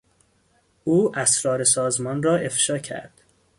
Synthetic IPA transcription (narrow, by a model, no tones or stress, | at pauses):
uːʔæsɾɒːɾe̞sɒːzmɒːnrɒːe̞fʃɒːcʰæ̰ɾd̪̥